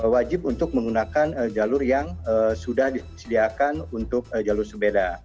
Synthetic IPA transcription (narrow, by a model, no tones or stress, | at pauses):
wad͡ʒɪp̚unt̪ʊk̚məŋɡunakanəd͡ʒalʊrjaŋəsudahdisədiakanunt̪ʊk̚d͡ʒalʊrsəbeda